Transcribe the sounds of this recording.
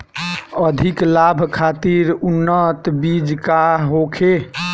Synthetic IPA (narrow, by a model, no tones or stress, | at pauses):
əd̪ʱiklabʱkʰat̪iɾunːət̪bid͡ʒkaɦokʰe